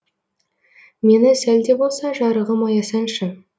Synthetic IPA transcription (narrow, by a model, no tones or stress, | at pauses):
me̞nɪsæld̪e̞bo̞lˠsɑʒɑɾəʁəmɑjɑsɑnʃɪn